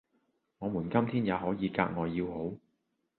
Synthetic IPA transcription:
ŋɔː˨˧muː˨˩nkɐ˥mt̪ʰiː˥njaː˨˧hɔː˨˥jiː˨˧ka̰ː˧k̚ŋɔː˨˧jiː˧who˨˥w

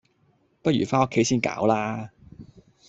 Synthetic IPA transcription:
pɐ˥t̚jyː˨˩faː˥no˥kʰːe˨˥jsiː˥nka̰ː˨˥wlaː˥

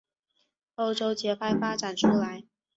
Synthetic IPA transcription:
o˥ʊʈ͡ʂo˥ʊt͡ɕjɛ˧˥pʰa˥˩ɪfa˥ʈ͡ʂa˨˩nʈ͡ʂʰu˥la˧˦ɪ

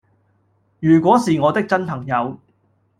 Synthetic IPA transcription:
jyː˨˩kʷɔː˨˥siː˨ŋɔː˨˧t̪ɪ˥k̚t͡sɐ˥npʰɐ˨˩ŋjɐ˨˧w

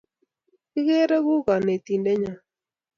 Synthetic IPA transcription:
i˦ɣe˦ɾe˦ɣu˦ɣa˨ne˨t̪i˨nde˦ɲa˨

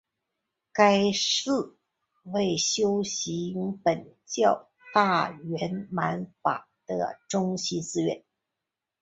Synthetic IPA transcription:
ka˥ɪʂɹ̩˥˩ | we˥˩ɪɕjo˥ʊɕi˧˥ŋpə˨˩nt͡ɕjɑ˥˧ʊ | t̪a˥˩ɥɛ˧˥nma˧˥nfa̰˨˩d̪̥ə̰˦ʈ͡ʂʊ˥ŋɕi˧˥t͡sɹ̩˥ɥɛ̰˧˥˦n

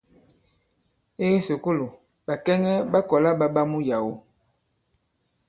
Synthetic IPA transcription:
e˦so˨ko˦lo˨ | ba˨kɛ˦ŋɛ˦ɓa˦kɔ˨la˦ɓa˦ɓa˦mu˦ja˨wo˦

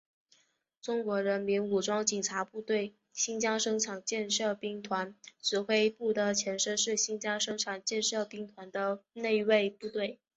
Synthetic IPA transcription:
ʈ͡ʂʊ˥ŋkwɔ˧˥ɻə˧˥nmi˧˥nu˨˩ʈ͡ʂwɑ˥ŋt͡ɕi˨˩ŋʈ͡ʂʰa˧˥pu˥˧t̪we˥˩ɪ | ɕi˥nt͡ɕjɑ˥ŋʂɤ˥ŋʈ͡ʂʰɑ˨˩ŋt͡ɕjɛ˥˧nʂɤ˥˧pi˥ŋt̪ʰwa˧˥nʈ͡ʂɹɻ̩˧˥xwe˥ɪpu˥˩d̪ə˩t͡ɕʰjɛ˧˥nʂɤ˥ʂɻ̩˥˩ɕi˥ŋt͡ɕjɑ˥ŋʂɤ˥ŋʈ͡ʂʰɑ˨˩ŋt͡ɕjɛ˥˧nʂɤ˥˧pi˥ŋt̪ʰwa˧˥nd̪ə˧ne˥˧ɪwe˥˧ɪpu˥˧t̪we˥˩ɪ

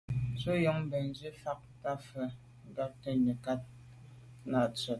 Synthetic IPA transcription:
t͡so˦jɔ˦ŋm˦bɛ˨n˦d͡ʒi˦fa˦k̚ta˦fə˨ | ŋ˦ɡa˦p̚tə˦ɲə˨ka˦t̚ | na˨t͡sə˨

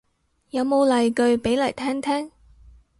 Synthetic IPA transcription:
jɐ˨˧wmo˨˧wlɐ˨jkɵ˧ɥpe˨˥jlɐ˨˩jt̪ʰɛː˥ŋt̪ʰɛː˥ŋ

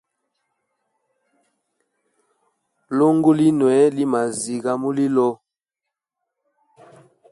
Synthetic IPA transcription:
lo˦ŋɡo˦li˦nwɛ˨˦li˦ma˨zi˨ɣa˨mu˦li˦lɔ˦

